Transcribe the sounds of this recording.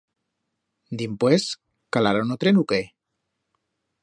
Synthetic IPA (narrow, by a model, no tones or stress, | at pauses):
d̪impwes | kalaɾanot̪ɾenuke